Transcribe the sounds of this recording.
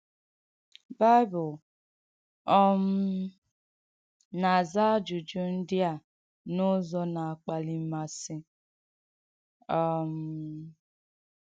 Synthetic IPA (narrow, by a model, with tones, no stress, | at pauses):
ba˦ɪ˦bʊ˨l | ɔ˦m̩˦ | na˨a˨za˦d͡ʒu˨d͡ʒu˦n̩˦dɪ˦a˨ | nʊ˦zɔ˦na˨a˨k͡pa˨li˦ma˨sɪ˦ | ɔ˦˨m̩˨˦